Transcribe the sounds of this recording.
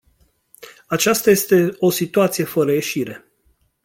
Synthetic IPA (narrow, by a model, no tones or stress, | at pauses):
at͡ʃast̪aje̞st̪e̞o̞sit̪uat̪sije̞fəɾəje̞ʃiɾe̞